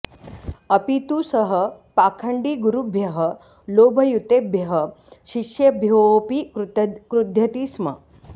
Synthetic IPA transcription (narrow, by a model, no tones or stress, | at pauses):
ɐpit̪usɐɦə | pakʰɐɳɖiɡuɾubʱjɐɦə | loːbʱɐjut̪eːbʱjɐɦə | ʃiʃjebʱjɐopikɾud̪ʱjɐt̪ismɐ̰